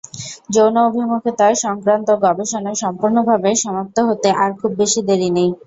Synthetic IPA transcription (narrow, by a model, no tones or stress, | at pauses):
d͡ʑownaobʱimukʰet̪aeʃɔŋkɾant̪oɡɔbeʃonaʃɔmpuɾnobʱabeʃɔmop̚t̪oɦot̪eʔaɾkʰubbeʃid̪eɾinej